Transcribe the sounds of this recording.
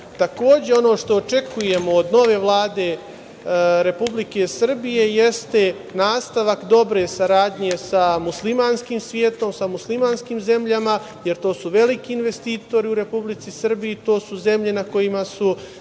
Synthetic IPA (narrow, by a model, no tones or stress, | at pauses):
t̪ako̞ːd͡ʑe̞o̞no̞ːʂt̪oːt͡ʂe̞kuje̞mood̪no̞ʋe̞ːʋlˠaːd̪e̞ | ɾe̞publike̞sr̩bije̞je̞st̪e̞ | naːst̪aʋakd̪o̞bɾe̞saɾaːd̪ɲe̞samuslimaːnskiːmsʋjeːt̪o̞msamuslimaːnskiːmze̞mʎama | jeɾt̪o̞ːsuʋe̞likiːnʋe̞st̪iːt̪o̞ɾiuɾe̞publit̪sisr̩bijit̪o̞ːsuze̞mʎe̞nako̞jimasu